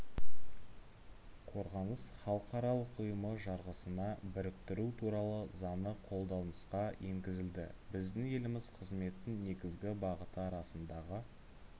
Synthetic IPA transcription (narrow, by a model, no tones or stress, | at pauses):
qʰo̞ɾʁɑnəz̥χɑlˠəqɑɾɑlˠəqʊjəməʒɑɾʁəsənɑbɪɾɪk̚t̪ɪɾut̪ʰuɾɑlˠəzɑnəqʰo̞lˠd̪ɑnəsqɑje̞ŋɡʲɪzɪld̪ɪ̰bɪzd̪ɪŋje̞lɪmɪzqʰəzme̞t̪ɪnne̞ɡʲɪzɡʲɪbɑʁət̪əɑɾɑsənd̪ɑʁə